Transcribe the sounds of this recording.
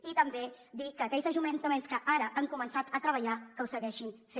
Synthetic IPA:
it̪əmbe | d̪ikəːkɛʎzəʒument̪əmenskəʔaɾəʔaŋkumənsat̪ət̪ɾəβ̞əʎakəwsəɣɛʃinfe

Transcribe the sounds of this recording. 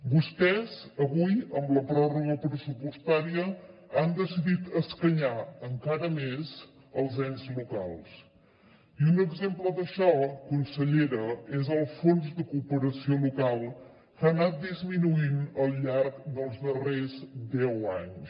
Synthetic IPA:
bust̪ɛzəβujəmbləpɾɔruɣəpɾəsupust̪aɾiəand̪əsiðit̪əskəɲaəŋkaɾəmez | əlˠzɛnzlukalˠs | iunəɡzempləðəʃɔkunsəʎeɾəezəlˠsfonzðəkuːpəɾəsiolukalˠ | kanat̪̚d̪izminuinəlˠʎaɾkd̪əlˠzðərezd̪ɛwaɲ

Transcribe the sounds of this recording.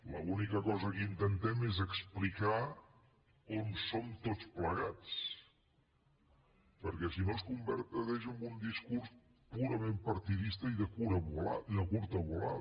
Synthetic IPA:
ləunikəkɔzəkint̪ənt̪ɛmezəksplika | onsomt̪ot͡spləɣat͡s | pəɾkɛsinoskumbəɾt̪əðɛʃəmbund̪iskuɾs | puɾəmempəɾt̪iðist̪əiðəkuɾəβula̰iðəkuɾt̪əβula̰

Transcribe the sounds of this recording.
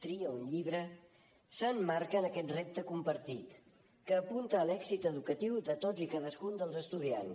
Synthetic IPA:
t̪ɾiəunʎiβ̞ɾə | sənmaɾkəːnəkɛt̪rep̚t̪əkumpəɾt̪it̪ | kəːpunt̪əːlɛɡzit̪əðukət̪iwðət̪od͡zikaðəskund̪əlˠzəst̪uðians

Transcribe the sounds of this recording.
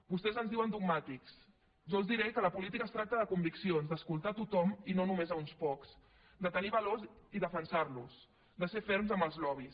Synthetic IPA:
bust̪ɛzənzðiwənd̪uɡmat̪iks | ʒɔəlˠzd̪iɾɛkələpulit̪ikəːst̪ɾak̚t̪əðəkumbiksionzd̪əskulˠt̪at̪ut̪ɔminonumezaunspɔkz̥ | d̪ət̪əniβəloziðəfənsaɾlus | d̪əsefeɾmzəmbəlˠzlɔβ̞is

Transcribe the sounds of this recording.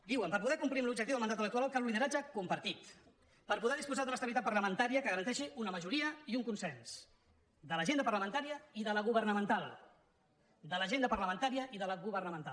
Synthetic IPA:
d̪iwəmpəɾpuðɛkumpɾimlub̚d͡ʒəkt̪iwðlmənd̪at̪ələkt̪uɾalˠkaluliðəɾad͡ʒəkumpəɾt̪it̪ | pəɾpuðɛðispuzad̪ələstəβit̪at̪̚pəɾləmənt̪aɾiəkəɣəɾənt̪ɛʃiunəməʒuɾiəiuŋkunsɛns | d̪ələʒend̪əpərləmənt̪aɾiəiðələɣuβərnəmənt̪alˠ | d̪ələʒend̪əpərləmənt̪aɾiəʔiðələɣuβərnəmənt̪a̰l

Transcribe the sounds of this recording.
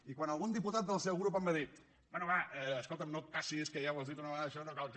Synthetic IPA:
ikwanəlˠɣund̪iput̪at̪̚d̪əlˠsɛwɣɾup̬əmbəðɾit̪ | bɛnuβaɛːskolˠt̪əmnot̪̚pasieskəʒaβwɔzðit̪unəβəɣaðəʃɔnokalˠk

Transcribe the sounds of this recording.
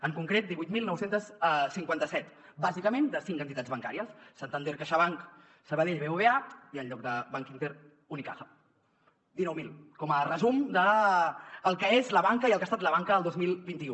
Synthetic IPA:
əŋkuŋkɾet̪̚d̪iβujt̪milˠnɔwsent̪əssiŋkwant̪əsɛt̪ | bazikəmend̪əsiŋkənt̪it̪ad͡zβəŋka̰ɾiəsːant̪ənd̪eɾkaʃəβaŋk | səβəðeʎβeuβeaiəlʎɔk̚d̪əβaŋkint̪eɾ | unika̰xə | d̪inɔwmilˠkɔmərəzumd̪əː | lˠkəezləβaŋkəiəlˠkast̪at̪ləβ̞aŋkəəlˠd̪ozmilˠbint̪iu

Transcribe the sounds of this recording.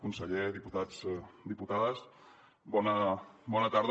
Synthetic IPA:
kunsəʎeðiput̪ad͡zd̪iput̪aðəs | bɔnəbɔnət̪aɾð

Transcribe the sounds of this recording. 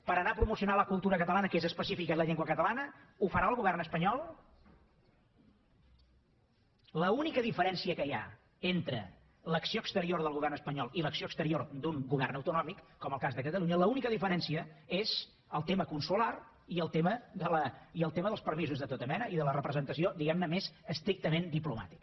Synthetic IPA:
pəɾənapɾumusiunaləkulˠt̪uɾəkət̪əlˠanəkezəspəsifikələʎiŋɡwəkət̪əlanəufəɾaəlˠɣuβɛrnəspəɲɔlˠ | ləunikəðifəɾɛnsiəkəja̰ | ent̪ɾə̰ | ləksioəkst̪əɾioɾðəlˠɣuβɛrnəspəɲɔlˠiləksioəkst̪əɾiord̪uŋɡuβɛrnəwt̪unɔmikːɔməlˠkazðəkət̪əlˠuɲələunikəðifəɾɛnsiəez | əlˠt̪eməkunsular | iəlˠt̪eməðələiəlˠt̪eməðəlˠspəɾmizuzðət̪ot̪əmɛnəʔiðələrəpɾəzənt̪əsiod̪iɣɛmnəmezəst̪ɾik̚t̪əmend̪ipluma̰t̪i̥k

